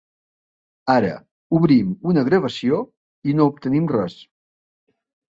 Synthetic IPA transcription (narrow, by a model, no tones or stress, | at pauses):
aɾə̰ | uβɾimunəɣɾəβəsio | inoup̚t̪ənimrɛs